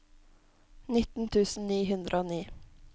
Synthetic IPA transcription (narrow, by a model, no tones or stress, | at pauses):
nɪt̪n̩t̪ʰʉːsn̩niːɦʉnd̪ɾʔəoːniː